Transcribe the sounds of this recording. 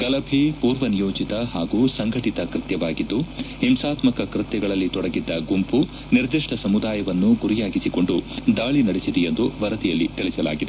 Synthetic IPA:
ɡ̥ɐlɐbʱipuːɾʋɐnijoːd͡ʒit̪ɐɦaːɡuːsɐŋɡʱɐʈit̪ɐkɾɨt̪jɐʋaːɡid̪ːuhimsaːt̪mɐkɐkɾɪt̪jɐɡɐɭɐlːit̪ɔɽɐɡid̪ːɐɡumpu | niɾd̪iʂʈɐsɐmud̪aːjɐʋɐnːuɡuɾijaːɡisiko̞ɳɖud̪aːɭinɐɽesid̪ɛjend̪uʋɐɾɐt̪ijɐlːit̪iɭisɐla̰ːɡid̪e

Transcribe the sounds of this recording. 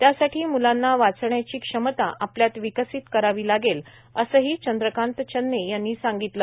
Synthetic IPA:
t̪jasaʈʰiːmulanːaʋat͡sɳjat͡ɕiːkʂəmət̪aʔapljat̪ʋikəsiːt̪kəɾaʋiːlaɡel | əsəɦiːt͡ɕənd̪ɾəkãnt̪t͡ɕənːejanːiːsãŋɡit̪lə

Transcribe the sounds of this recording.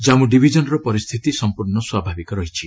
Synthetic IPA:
d͡ʒamũɖibʱid͡ʒɔnɔɾɔpɔɾist̪ʰit̪isɔmpuɾnɔswabʱabikɔɾɔɦit͡ʃʰi

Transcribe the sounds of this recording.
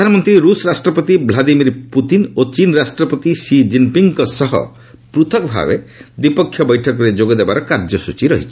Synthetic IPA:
dʱanɔmɔnt̪ɾiɾusɔɾasʈɾɔpɔt̪iblad̪imiɾput̪inot͡ʃinɾasʈɾɔpɔt̪isid͡ʒimpiŋkɔsɔɦɔ̰ | pɾut̪ʰɔkɔbʱa̰bḛd̪ipɔkʰːjɔbɔjʈʰɔkɔɾed͡ʒoɡɔd̪ebaɾɔkaɾd͡ʒɔsut͡ʃiɾɔɦit͡ʃʰi̥

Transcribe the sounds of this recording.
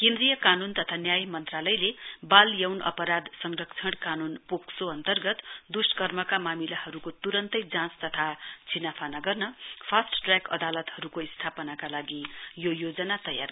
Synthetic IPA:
kẽnd̪rijʌkanunt̪ʌt̪ʰanjajmʌnt̪ralʌjlebaljawnʌ̰pʌɾad̪sʌŋrʌkt͡sʰʌɽkanunpoksoʌnt̪ʌrɡʌt̪d̪uskʌrmʌkamamilahʌɾukot̪uɾʌnt̪ʌjd͡zãt͡st̪ʌt̪ʰat͡sʰinapʰanaɡʌrnʌpʰasʈʈrakʌ̰d̪alʌt̪hʌɾukoist̪ʰapʌnakalaɡijojod͡zʌnat̪ʌja̰r

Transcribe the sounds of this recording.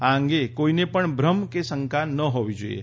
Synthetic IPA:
aəŋɡekoinepəɳbʱɾəmkesəŋkanəɦoʋid͡ʒoḭḛ

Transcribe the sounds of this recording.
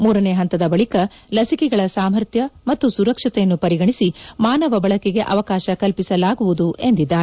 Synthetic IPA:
muːɾɐneːɦɐnt̪ɐd̪ɐbɐɭikɐ | lɐsikɛɡɐɭɐsaːmɐɾt̪jɐmɐt̪ːusuɾɐkʂɐt̪ɛjɐnːupɐɾiɡɐɳisimaːnɐʋɐbɐɭɐkɛɡe̞ʔɐ̰ʋɐkaːʃɐkɐlpisɐlaːɡuʋud̪ue̞nd̪id̪ːaːɾee

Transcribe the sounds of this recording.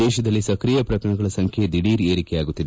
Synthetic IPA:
ɛːʃɐd̪ɐlːisɐkɾiːjɐpɾɐkɐɳɐɡɐɭɐsɐŋkʰjed̪iɽiːɾeːɾikɛjaːɡut̪ːid̪e

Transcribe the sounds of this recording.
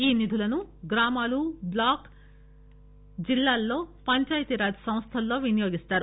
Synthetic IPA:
iːnid̪ʱulɐnuɡɾaːmaːlublaːk | d͡ʒilːaːlːo̞ːpɐɲt͡ʃaːjt̪iɾaːd͡ʒɐsɐ̃mst̪ʰɐlːo̞ːʋinɐjo̞ːɡist̪aːɾu

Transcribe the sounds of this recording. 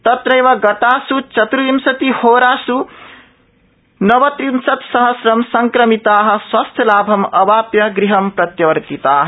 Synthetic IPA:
t̪ɐt̪ɾɐjʋɐɡɐt̪aːsut͡ʃɐt̪ɾuimsɐt̪ihoːɾaːsu | nʌʋɐt̪ɾimsɐt̪sʌɦɐsɾɐmsɐŋkɾɐmit̪aːɦɐ̆swɐst̪ʰjɐlaːbʱɐmɐbaːpjɐɡɾiɦɐmpɾɐt̪jɐʋɐɾt̪it̪aːɦ

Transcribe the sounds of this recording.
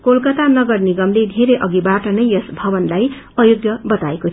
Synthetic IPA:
kolkʌt̪anʌɡʌrniɡʌmled̪ʱeɾejʔʌɡibaʈʌnʌjʌsbʱʌbʌnlaj | ʌjoɡjʌbʌt̪aekot̪ʰ

